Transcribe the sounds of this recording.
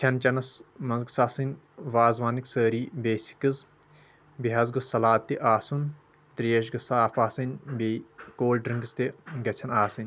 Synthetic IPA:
t̪ʰɐnt͡ʃɐnɐsmɐnzɡsaːsɨnʲ | ʋaːzʋaːnɨksəːɾiːbeːsi̥kɨz | biɦɐzɡɨsɐlaːt̪ːiʔaːsun | t̪ɾijeʃ̬ɡɐsaːfaːsɨnʲbeːkoːlɖɾɨŋɡɨst̪eɡɐt͡sʰɐnaːsɨnʲ

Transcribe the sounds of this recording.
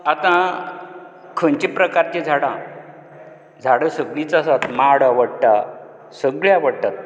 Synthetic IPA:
at̪ã | kʰəɲt͡ɕipɾəkaɾt͡ɕẽd͡zʱaɽã | d͡zʱaɽəsəɡɭit͡sasat̪maɽaʋəɽʈ̪a | səɡɭjaʋəɽt̪at̪̚

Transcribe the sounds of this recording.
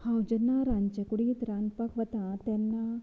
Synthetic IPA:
hãwd͡ʑənːaɾaɲt͡ɕəkuɽiːt̪ɾanpakʰʋət̪at̪ɛnːa

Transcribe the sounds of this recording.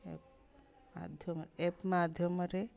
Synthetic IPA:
ḛp | ma̰d̪ʱjɔmɾepmad̪ʱjɔmɐɾe

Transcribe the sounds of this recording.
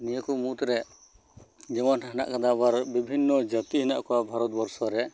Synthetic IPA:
nijəkumut̪ɾɛ | d͡ʒɛmanɦana̰ʔkad̪abaɾbibʱinːɔd͡ʒət̪iɦinaʔkɔabʱaɾɔt̪̚bɔɾsɔɾɛ

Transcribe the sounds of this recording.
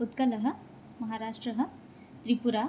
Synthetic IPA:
ut̪kɐləɦə̆ | mɐɦaɾaːʂʈɾəɦə̆ | t̪ɾipuɾa

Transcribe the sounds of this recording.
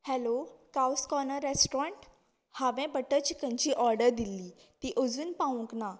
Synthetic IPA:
hɛlokawskɔnəɾesʈɾãɳʈ | haʋɛ̃bəʈət͡ɕikəɲt͡ɕiːʔɔɾɖəɾd̪ilːiː | t̪iːʔod͡zuːnpaʋũkna

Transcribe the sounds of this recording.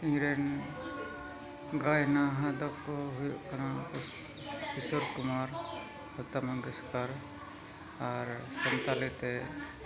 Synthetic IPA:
iŋɾɛn | ɡajnaɦãd̪ɔkɔɦujɔʔkanaɔ | pisɔɾkumaɾ | ɔt̪amaɡɛskaɾ | aɾsɔnt̪alɛt̪ɛ

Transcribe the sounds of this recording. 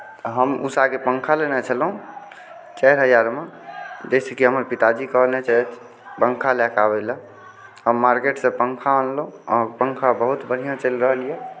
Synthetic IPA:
t̪əɦəmṵsakepəŋkʰalenet͡ʃʰəlɦũ | t͡ʃɛɾɦəjaɾmed͡ʒəsekiɦəməɾpit̪ad͡ʒikəɦlnet͡ʃɛt̪ʰ | pəŋkʰalɛkabɛlə | ɦəmːaɾkeʈsẽpəŋkʰaənloɔːɾpəŋkʰabəɦut̪bəɽ̤ijãt͡ʃəlɾəɦəlije

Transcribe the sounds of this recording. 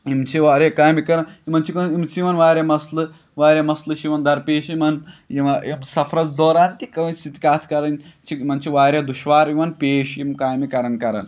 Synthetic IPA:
imt͡ʃʰiʋaɾekaːmikɐɾɐnimɐnt͡ʃʰikɐimt͡siʋɐnʋaːɾʲɐmɐslɨ | ʋaːɾʲjɐmɐslɨʃiʋɐnd̪ɐɾpeːʃimɐnjiʋɐimsɐfʰɾɐt͡sd̪oːɾaːnt̪ikɐʋɐsit̪ikaːt̪ʰkɐɾɐnt͡ʃʰiimɐnt͡ʃʰiʋaːɾjɐd̪uʃʋaːɾimɐnpeːʃimkaːmikɐɾɐnkɐɾɐ̰n

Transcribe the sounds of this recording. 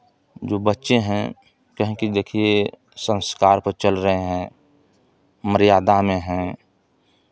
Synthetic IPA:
d͡ʒoːbətːʃẽɦɛ̃ | kɐɦə̃kid̪eːkʰie | sə̃nskaːɾpəɾt͡ʃəlɾəɦeɦɛ̃ː | məɾijaːd̪amẽɦɛ̃

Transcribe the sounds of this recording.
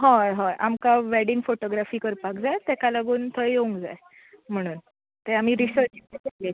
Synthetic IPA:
ɦɔ̃ɦãjʔamkaʋeɽiŋɡfoʈoɡɾafiːkəɾpakd͡zajt̪ekalaɡuːnt̪ʰəjjeũŋɡd͡za̰j | m̤əɽ̃uːn | t̪eamiːɾisəɾt͡ɕitekele

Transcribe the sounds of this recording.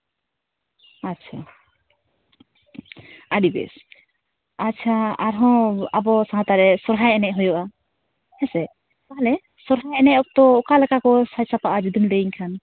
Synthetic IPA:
att͡ʃʰa | aɖibɛ̰s | atːt͡ʃʰaaɾɦɔ̃abɔsaɦat̪aɾɛsɔɾɦajɛnɛʔɦɔjɔʔa | hɛsɛ | t̪aɦalɛ | sɔɾɦajɛnɛɔk̚t̪ɔkalɛkakɔsajsapaʔad͡ʒud̪unlɛiɲkʰan

